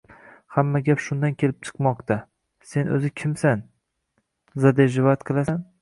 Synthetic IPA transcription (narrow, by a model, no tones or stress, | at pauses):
hamːaɡʲapʃʊnd̪ankʲʰe̞lɪp̚t͡ʃʰɨ̥qmɒqt̪ʰa | se̞nʔɵ̰zɪkʲʰɪmsan | zad̪eʒɪvɒat̪qʰɨlˠasan